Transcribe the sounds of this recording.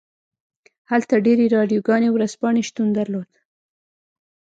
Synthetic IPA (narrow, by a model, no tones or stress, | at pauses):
halt̪aɖeɾeɾɑɖjoɡɑnewɾazpɑɳeʃt̪und̪aɾlod̪